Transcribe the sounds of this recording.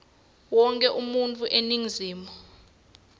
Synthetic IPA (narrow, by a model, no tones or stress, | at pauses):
wɔŋkʼɛʔumuntʰʼuʔeniŋziːmɔ